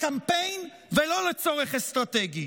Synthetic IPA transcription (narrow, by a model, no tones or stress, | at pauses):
kampejn | velo̞let͡so̞ʁeχest̪ʁat̪eɡi